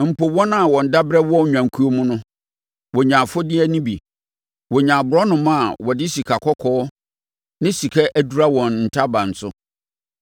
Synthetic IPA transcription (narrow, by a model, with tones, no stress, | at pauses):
m̩˨po˨wɔ̃˦nã˦˨wɔ̃˨n̩˨da˦bɾɛ˦wɔ˦˨ɲᶣã˨ŋ˨kʰu˦o˦mʊ̃˦nʊ̃˦ | wɔ˨ɲã˨fʊ˦dɪ˦æ˦nĩ˦bḭ˨ | wɔ˨ɲã˨bʊ˨ɾɔ˦nʊ̃˨mã˦˨wɔ˨dɪ˦si˨kʰa˨kʰɔ˦kʰɔː˦ | nɪ̃˦si˨kʰɛ˦ʔæ˦du˨˦ɾa˦wɔ̃˨nn̩˨tʰa˦bã˨n̩˨sʊ˦